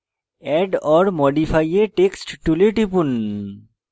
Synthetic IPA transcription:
ɛɖɔɾmɔɖifʰajeʈeksʈʈuleʈipun

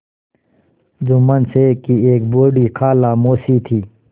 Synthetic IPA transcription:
dumənsekieːk̚boːɖiːkʰaːlaːmoːsit̪ʰiː

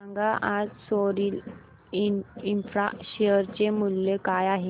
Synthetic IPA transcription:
aŋɡaʔad͡zsoɾil | iinfɾa̰ɕeəɾt͡ɕemuljekajaɦe

